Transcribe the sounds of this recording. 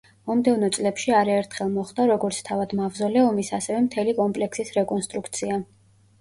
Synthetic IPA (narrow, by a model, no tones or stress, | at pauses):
mɔmd̪ɛvnɔt̪sʼlɛpʃiaɾaɛɾt̪ʰχɛlˠmɔχd̪aɾɔɡɔɾt̪sʰt̪ʰavad̪mavzɔlɛɔmisasɛvɛmt̪ʰɛlikʼɔmpʼlɛksisɾɛkʼɔnst̪ʼɾukʰt̪sʰia